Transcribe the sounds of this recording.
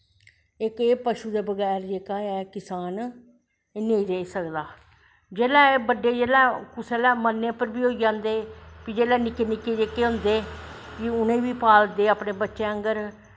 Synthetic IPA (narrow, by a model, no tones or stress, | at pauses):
ɪkeːpəʃuːd̪eːbəɡɛːɾd͡ʒeːkaːɛːkɪsaːn | neĩːɾeːisəkd̪aː | d͡ʒeːlɛ̃ːeːbəɖːeːd͡ʒeːlɛːkʊseːlɛːmənːẽːpəɾbiːɦoːid͡ʒãːnd̪eːpiːd͡ʒeːlɛːnɪkːeːnɪkːeːd͡ʒeːkeːɦʊ̃ːnd̪eːkiːʊnẽːʋiːpaːld̪eːaːpneːbətːʃeːəŋɡəɾ